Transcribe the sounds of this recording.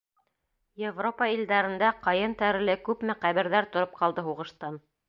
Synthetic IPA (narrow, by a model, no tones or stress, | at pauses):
jevropɑild̪æɾɘ̆nd̪æqɑjɤnt̪æɾɘ̆lɘkʉpmɘqæβɘ̆ɾðæɾt̪ŏɾop̚qɑlˠd̪ɤɦuʁɤ̆ʃt̪ɑn